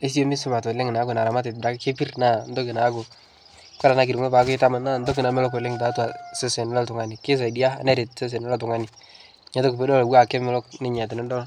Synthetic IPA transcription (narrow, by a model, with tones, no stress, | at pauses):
e˦s̬i˦jo˦mi˦sɪ˦ba˨to˨lɪ˦ŋ˨na˨˦ko˨na˨ɾa˨ma˦t̬ɪ˨da˨˦kke˦pi˦rna˦˨n˦do˦kɪ˨na˨˦ko˨ | ka˦ɾa˨na˦˨k̬i˨ɾu˨ŋe˦pa˨˦kʊ˦ɪ˦ta˦ma˨na˦˨ndo˦k̬ɪ˨na˨mɪ˦lɔ˦k̬ɔ˨lɪ˦ŋta˨˦tu˦a˨se˦se˨n˦la˦tʊ˨ŋa˨ni˨kɪ˦s̬a˨di˦a˦a˨nɛ˦ɾi˨tse˦s̬e˨n˦lɔ˦tʊ˨ŋa˦ni˨ | ɲa˨˦to˦kpe˦dɔ˦lɡwa˦˨kɛ˦mɪ˦lɔ˦knɪ˦ɲɛ˨t̬ɪ˨nɪ˦dɔ˦l